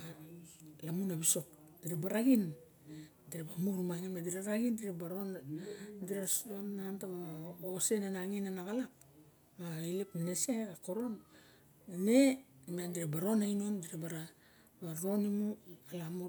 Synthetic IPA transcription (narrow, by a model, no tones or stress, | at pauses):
a | lamunaβiso̞k | d̥iɾabaɾaɡin | diɾebamuɾmaŋimadiɾaɾaɡindiɾebaɾondiɾasonːantaβaaosenanaŋinanaɡalak | mailipneseɡakoɾo̞n | nemiandiɾabaɾo̞naino̞ndiɾabaɾa | baɾo̞nimualamu